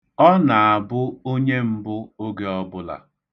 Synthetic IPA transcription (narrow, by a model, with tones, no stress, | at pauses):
ɔ˦na˨a˨bʊ˦o˦ɲe˦m̩˦bʊ˦o˦ɡe˦ɔ˦bʊ˦la̰˨